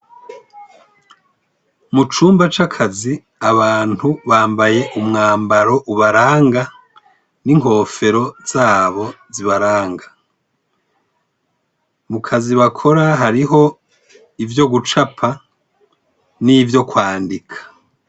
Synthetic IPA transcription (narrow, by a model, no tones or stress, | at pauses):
mut͡ʃuːmbat͡ʃakʰazi | aβaːnhuβaːmbaje̞ʔumŋaːmbaɾo̞ʔuβaɾaːŋɡa | niŋho̞ːfe̞ɾo̞z̥aːβo̞ziβaɾaːŋɡa | mukʰaziβakʰo̞ɾaɦaɾiɦo̞ | ivjo̞ɡut͡ʃapʰa | nivjo̞kwaːndikʰḁ